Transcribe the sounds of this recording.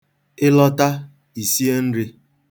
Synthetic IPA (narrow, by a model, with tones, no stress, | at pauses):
ɪ˦lɔ˦ta˦ | i˨si˦e˦n̩˦ɾɪ˦